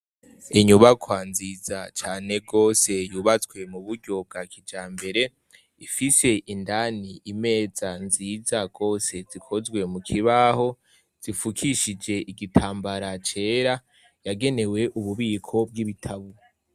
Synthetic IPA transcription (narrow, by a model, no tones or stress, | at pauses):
iɲuβakwanzizat͡ʃaːne̞ɡo̞ːse̞juːβat͡swe̞muβuɾɟo̞b̚ɡakʰid͡ʒaːmbe̞ɾe̞ | ifise̞ʔindaniime̞ːzanzizaɡ̥o̞ːse̞zikʰo̞zɡwe̞mukʰiβaho̞ | z̥ifukʰiʃid͡ʒe̞ʔiɡitʰaːmbaɾat͡ʃe̞ːɾa | jaɡe̞ne̞we̞ʔuβuβiːkʰo̞b̚ɡiβitʰaβu